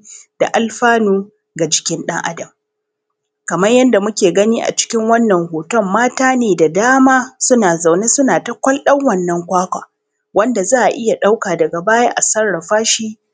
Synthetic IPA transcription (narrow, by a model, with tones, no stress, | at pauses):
d̥a̰˨ʔa˨lɸaː˦nuː˦ | ɡa˨d͡ʒɪ̥˦kʲɪ˦nɗɐ̰˦ŋʔa̰˦dɐ˨m | kɐ˨mɐ˦rjɐ˦nda˨mʊ˦kʲeː˨ɡɐ˦niː˦ʔa̰˨t͡ʃɪ̥˦kʲɪ˦ŋwɐ˦nːɐ˨ŋhoː˨tɔ˦mːaː˦taː˦neː˨da˨daː˦maː˦sʊ˦naː˨za˨wneː˦sʊ˦naː˨ta˦kʷɐ˦lɗɐ˦ŋwɐ˦˨nːɐ˦ŋkʷaː˦kʷaː˨ | wɐ˦nda˨zaː˦˨ʔa̰˨ʔɪ˦ja˨ɗa˦wkaː˨dɐ˨ɡa˨baː˦jaː˦ʔa˨sɐ˦rɽɐ˨ɸaː˦ʃiː˦